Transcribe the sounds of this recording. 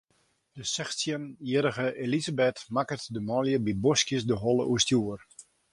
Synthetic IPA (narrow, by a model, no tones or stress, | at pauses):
dəsɛxsjəniəɾəɣəʔelizabetmakərtdəmɔljəbibɔskjəsdəɦɔlˠəʔustjuər